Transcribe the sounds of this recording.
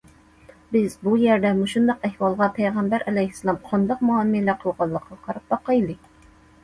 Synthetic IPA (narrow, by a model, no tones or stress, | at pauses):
bɪzbujɛɾd̪ɛmuʃund̪ɑqɛhwɑlˠʁɑpʰɛjʁæmbæɾʔɛlɛjhi̥slˠɑmqʰɑnd̪ɑq̚muɑmːɛlæqʰəlˠʁɑlˠːəqʰːɑqʰɑɾɑp̚bɑqɑjlɪk̚ʲ